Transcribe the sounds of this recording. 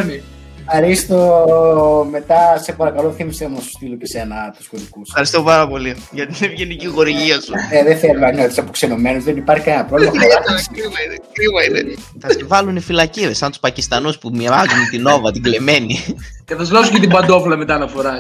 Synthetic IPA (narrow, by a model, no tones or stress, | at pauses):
ni | ɐɾist̪o | me̞t̪ɐse̞pɐɾɐkɐloθimisɐmunɐsu̥st̪ilocese̞nɐt̪u̥skoðikusɐɾist̪opɐɾɐpo̞liʝɐt̪inevʝeniciɣo̞ɾiʝiɐsuneðeθelumɐnot̪i̥sɐpokse̞nome̞nuzðenipɐɾçikɐnenɐpɾolimɐɐɐkɾivɐinekɾivɐineθɐsevɐlunifilɐciɾesːɐnt̪u̥spɐcist̪ɐnuspumiɾɐzunt̪ino̞vɐt̪iɡle̞me̞niceθɐslɐsucet̪ibɐnd̪o̞fulɐmet̪ɐnɐfo̞ɾɐ